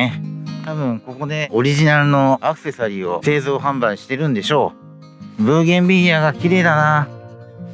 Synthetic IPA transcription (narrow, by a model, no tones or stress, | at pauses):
et̪aβɯ̟̃ŋko̞ko̞d̪e̞o̞ɾʲiʑinaɾɯ̟no̞akɯ̟̥se̞saɾʲiːo̞̰se̞ːzoːɦãmbãɰ̃ɕi̥t̪e̞ɾɯ̟̃nd̪e̞ɕo̞ː | bɯ̟ːɡʲẽ̞mbʲiiaːɡakʲiɾe̞ːd̪anaː